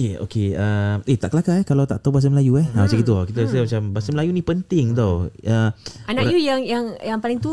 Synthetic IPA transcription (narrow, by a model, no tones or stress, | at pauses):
eo̰keəmet̪aʔkəlakaɛkalawt̪a̰ʔt̪awbas̬əməlajuɛhaasakit̪̬uakit̪əas̬əmat͡ʃambasəməlajunĩpənt̪ɪŋt̪owəanakjujaŋjaŋjaŋpalɪŋt̪u